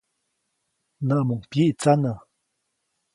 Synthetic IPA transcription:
naʔmuŋpjiʔt͡sana

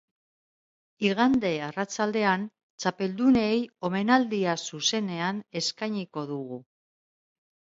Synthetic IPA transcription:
iɣ̞and̪e̞arat͡sald̪e̞an | t͡sape̞ld̪une̞jo̞me̞nald̪iasuse̞ne̞ane̞skajɲiko̞ðuɣ̞u

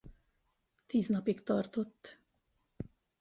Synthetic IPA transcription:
t̪iːznɒpikt̪ɒrt̪o̞t̪ː

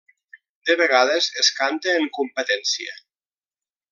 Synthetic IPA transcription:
d̪eβeɣ̞aðezeskant̪eːŋkumpət̪ɛnsiḛ

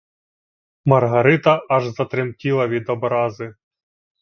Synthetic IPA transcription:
mɐrɦɐɾɪt̪ɐʔɐʒzɐt̪ɾɪmtʲilˠɐʋʲid̪ɔbɾɑzɪ

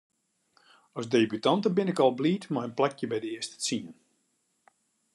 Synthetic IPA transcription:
ɔsdeːbytɑntəbɪnɪkɔlˠbliːtmajənplɛkjəbɛjdəɪəstə̥t͡siən

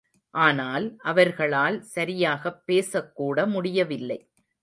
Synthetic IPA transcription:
ʔaːnaːlʔɐʋɐɾɣɐɭaːlsɐɾɪjaːɣɐpːeːsɐkːuːɽɐmʊɽɪjɐʋɪlːɐɪ

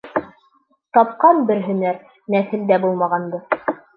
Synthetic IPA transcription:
t̪ɑp̚qɑnbɘɾɦɵ̆næɾ | næθɘ̆ld̪æbulˠmɑʁɑnd̪ɤ

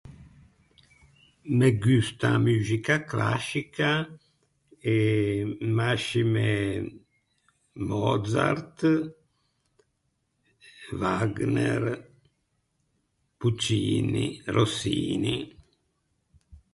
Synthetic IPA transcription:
meɡyst̪a̰myːzikakla̰sika | e | maʃime | mɔd̪za̰ɾt̪ | vaɡnɛɾ | put͡ʃiːnirosiːni

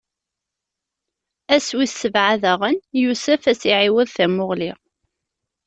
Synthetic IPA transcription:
æswiθsːəvʕaðæʁənjusəfæsiʕiwəðθæmʊʁliʁ

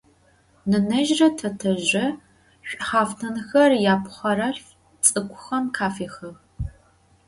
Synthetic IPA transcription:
nɨnɐʒrɐtʰɐtʰɐʑɐ | ɕʷʼχɑːfnʰɐnxɐrjaːpʰχɐɾɐɬ | t͡sʼɨkʷʰʼʊxɐmkʰaːfiːxɐ

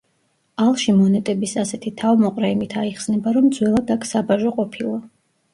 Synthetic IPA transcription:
alˠʃimɔnɛt̪ʼɛbisasɛt̪ʰit̪ʰavmɔqʼɾɛimit̪ʰaiχsnɛbaɾɔmd̪zwɛlˠad̪akʰsabaʒɔqʼɔpʰilˠa

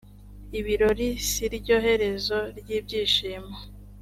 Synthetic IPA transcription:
iβiɾo̞ɾisiɾibɟo̞ːɦe̞ɾe̞zo̞ɾɟiːb̚ɟiːʃiːma

